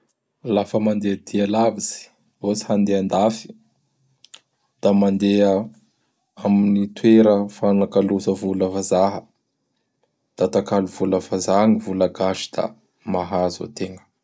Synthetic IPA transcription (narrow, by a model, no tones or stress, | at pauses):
lafəmand̪ed̪ialaviz̥i̥ | osi̥hand̪eand̪afi̥ | d̪̥amand̪eə | aminit̪weɾəfanakalusəvuləvazaɦə | d̪̥at̪akaluv̥uləvazaŋivulaɡaʃi̥d̪̥a̰ | maɦazo̰t̪eŋə̥